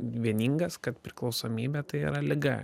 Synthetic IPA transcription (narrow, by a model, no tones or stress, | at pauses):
ʋʲiɛnʲiːŋɡɐskɐt̪pʲɾʲɪklˠɒʊsoːmʲiːbʲɛt̪ɐɪḭɾɐlʲɪɡɐ̰